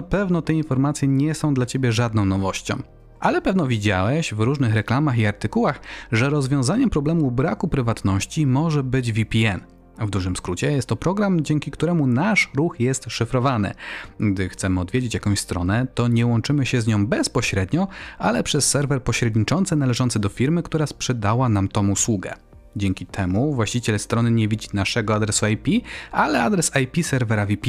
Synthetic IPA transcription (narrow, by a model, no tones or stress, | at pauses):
apɛvnɔt̪ɛinfɔɾmat̪sʲjɛɲɛsɔ̃w̃d̪lat͡ɕebʲjɛʐad̪̚nɔ̃w̃nɔvɔɕt͡ɕɔ̰̃w̃ | ʔalɛpɛvnɔvʲid͡ʑa̰wɛɕvɾuʐnɘxɾɛklamaxiaɾt̪ɘkuwaxʐɛɾɔzvʲjɔ̃w̃zaɲɛmpɾɔblɛmubɾakupɾɘvat̪nɔɕt͡ɕimɔʐɛbɘd͡ʑvʲipʲiɛn | vd̪uʐɘmskɾut͡ɕɛjɛst̪ːɔpɾɔɡɾamd͡ʑɛŋkʲikt̪uɾɛmunaʂɾuxjɛst̪ʂɘfɾɔvanɘ̰ɡd̪ɘxt̪sɛmɘɔd̪vʲjed͡ʑet͡ɕjakɔ̃w̃ɕst̪ɾɔ̰nɛt̪ɔɲɛwɔnt͡ʂɘmɘɕɛzɲɔ̃w̃bɛspɔɕɾɛd̪ɲɔʔalɛpʂɛsːɛɾvɛɾpɔɕɾɛd̪ɲit͡ʂɔnt̪sɛnalɛʐɔnt̪sɛd̪ɔfʲiɾmɘkt̪uɾaspʂɛd̪awanamt̪ɔ̃muswuɡɛ̰ | d͡ʑɛŋkʲit̪ʰɛmuvwaɕt͡ɕit͡ɕɛlst̪ɾɔnɘɲɛvʲid͡ʑinaʂɛɡɔad̪ɾɛsuajpʲialɛad̪ɾɛsajpʲisɛɾvɛɾavʲipʲi